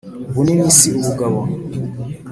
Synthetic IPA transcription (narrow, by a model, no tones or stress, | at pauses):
βunimisiuβuɡaβa